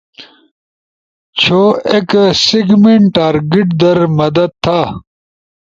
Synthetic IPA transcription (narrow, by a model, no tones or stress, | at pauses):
t͡ɕʰoːeksiɡmeɳʈʈaːɾɡiʈd̪ɐɾmɐd̪ɐd̪̚t̪ʰːaː